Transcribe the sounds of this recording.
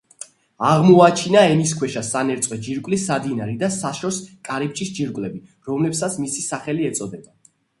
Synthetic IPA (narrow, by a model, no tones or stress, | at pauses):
aʁmɔat͡ʃʰinaɛmiskʰwɛʃasanɛɾt̪sʼwɛd͡ʒiɾkʼwlisad̪inaɾid̪asaʃɔskʼaɾip̚t͡ʃʼisd͡ʒiɾkʼlɛbiɾɔmlɛbsat̪sʰmisisaχɛliɛt̪sʼɔd̪ɛba